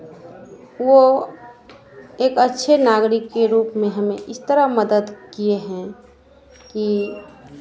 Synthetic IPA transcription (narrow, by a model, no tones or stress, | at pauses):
ʋo | eːkətːʃʰenaːɡɾɪkːeɾuːpmẽɦəmẽʔɪst̪əɾaməd̪əd̪kieɦɛ̃ | ki